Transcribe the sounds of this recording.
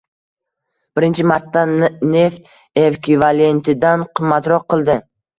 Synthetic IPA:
b̥ɪɾɪnt͡ʃʰɪmaɾt̪ːane̞ft̪ | evkʰʲivalent̪ʰɪd̪anqʰɨmːat̪ɾɒq̚qʰːɨlˠd̪ɪ

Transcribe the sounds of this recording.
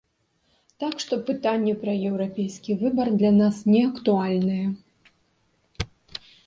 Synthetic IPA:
t̪akʂt̪ɔpɨt̪anʲːɛpɾɐjɛwɾapʲejskʲivɨbɐrd̪lʲanasnʲɛɐkt̪ualʲnɨjɛ

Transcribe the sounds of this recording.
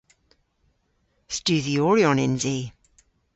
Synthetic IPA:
stʉːðiɔɹiɔnɪ̃nzi

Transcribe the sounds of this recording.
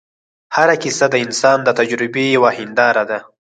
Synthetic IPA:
haɾakisad̪əɪnsɑnd̪ət̪ad͡ʒɾɪbejawahɪnd̪ɑɾad̪a

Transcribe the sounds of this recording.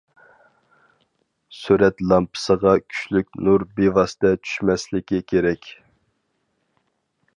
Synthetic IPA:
syɾɛt̪lˠɑmpʰə̥səʁɑkʲʰy̥ʃlyk̚ʲnuɾbevɑst̪ɛt͡ʃʰy̥ʃmɛslɪkʲikʲʰeɾɛkʲ

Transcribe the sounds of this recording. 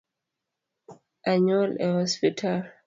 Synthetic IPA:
ʔaɲualɛhɔspitʰal

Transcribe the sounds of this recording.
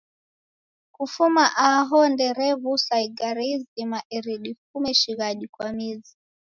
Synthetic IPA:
kufumaʔaɦɔndɛɾɛβusaiɡaɾizimaʔɛɾiɗifumɛʃiɣaʄikwamizi

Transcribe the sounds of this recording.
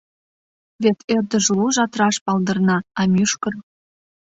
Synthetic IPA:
βet̪erd̪ə̆ʒluʒɑt̪ɾɑʃpɑld̪ɤ̆rnɑːmʲyʃkɤ̆r

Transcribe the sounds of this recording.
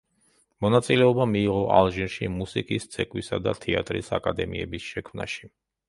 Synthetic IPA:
mɔnat̪sʼilɛɔbamiːʁɔʔa̰lˠʒinʃimusikʼist̪sʰɛkʼwisad̪a̰t̪ʰɛa̰t̪ʼɾḭsakʼad̪ɛmiɛbisʃɛkʰmna̰ʃi̥

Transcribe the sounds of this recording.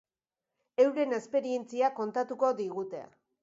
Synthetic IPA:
e̞wɾe̞ne̞spe̞ɾie̞nt͡siako̞nt̪at̪uko̞ðiɣ̞ut̪e̞̰a̰

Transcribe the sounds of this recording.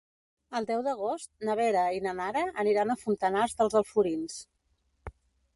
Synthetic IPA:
əlˠd̪ɛwðəɣ̞ost̪̚nəβɛɾəinənaɾəʔːniɾanəfunt̪ənazðəlˠzəlˠfuɾins

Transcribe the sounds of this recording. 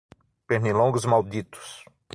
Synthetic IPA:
penilõɡʊzmawd̪it̪ʊ̥s

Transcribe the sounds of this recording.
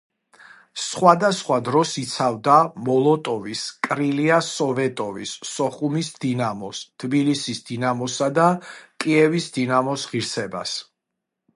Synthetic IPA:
sχwad̪asχwad̪ɾɔsit̪sʰavd̪amɔlˠɔt̪ʼɔviskʼɾiliasɔvɛt̪ʼɔvisːɔχumisd̪inamɔst̪ʰbilisisd̪inamɔsad̪akʼiɛvisd̪inamɔsʁiɾsɛba̰s

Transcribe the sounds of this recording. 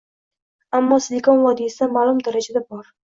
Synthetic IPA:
amːɒsɪlɪkɒnvɒd̪isd̪amaːlˠʊmd̪aɾad͡ʒad̪abɒɾ

